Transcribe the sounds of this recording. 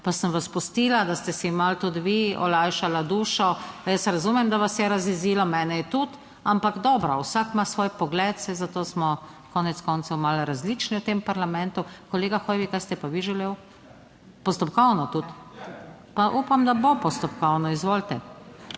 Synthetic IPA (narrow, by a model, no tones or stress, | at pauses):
pasəmʋaspust̪iːlad̪ast̪ɛsimalt̪ut̪ʋiɔ̰lajʃalad̪uːʃɔjəsɾazumɛmd̪aʋasjɛɾaziziːlɔmɛːnɛjɛt̪ut̪ | ampaɡd̪ɔːbɾawsakmasʋoːjpɔɡlɛːt̪sɛzat̪oːsmɔ | kɔːnɛt̪skɔnt̪sɔwmalɾazlit͡ʃniwt̪empaɾlamɛnt̪ukɔleːɡaxoːjʋikajst̪ɛpaʋiʒɛleːw | pɔst̪ɔpkɔwnɔt̪ut̪ | paʔupamd̪abopɔst̪ɔpkɔwnɔizʋolt̪ɛ